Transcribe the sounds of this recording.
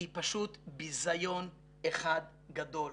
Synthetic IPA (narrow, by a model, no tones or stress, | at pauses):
ipaʃut̪bizajo̞n | eχad̪ | ɡad̪o̞l